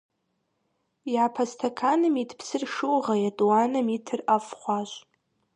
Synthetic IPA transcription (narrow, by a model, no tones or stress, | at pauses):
jʕapʰastʰakʰanɨmitʰpʰsɨrʂɨwʁajatʼwanɨmitʰɨrafχʷaʃʷʼ